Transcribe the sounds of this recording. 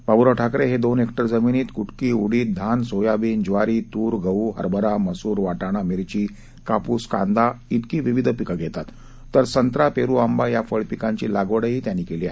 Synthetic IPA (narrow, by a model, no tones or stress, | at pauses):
pabuɾɔʈʰakɾeɦed̪onekʈəɾd͡zəminiːt̪kuʈkiːuɽiːt̪̚d̪ʱansojabiːnd͡ʑʋaɾiːt̪uːɾɡʱəuɦə̰ɾbəɾaməsuːɾʋaʈaɽ̃amiɾt͡ɕiː | kapuːska̰nd̪ait̪kiːʋiʋid̪ʱəpikaɡʱɛt̪at̪ː | əɾsənt̪ɾapeɾuambajafəɭpikãɲt͡ɕilaɡʋəɽəɦiːt̪janːiːkeliːaɦe